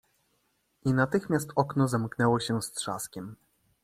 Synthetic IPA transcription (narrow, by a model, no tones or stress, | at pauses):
inat̪ɘxmʲjast̪ɔknɔzamknɛwɔɕɛst̪ʂa̰skʲɛm